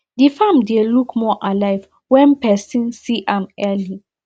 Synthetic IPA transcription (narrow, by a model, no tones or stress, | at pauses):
difãmdelukmɔʔalajv | wɛ̃npɛsĩnsiʔãmɛli